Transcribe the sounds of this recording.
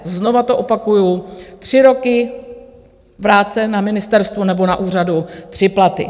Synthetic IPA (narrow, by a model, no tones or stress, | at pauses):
zno̞vat̪o̞ʔo̞pakujut̪r̝̥ɪɾo̞kɪ | vɾaːt͡sɛnamɪnɪst̪ɛɾst̪vunɛbo̞naʔuːr̝adut̪r̥ɪplat̪ɪ̰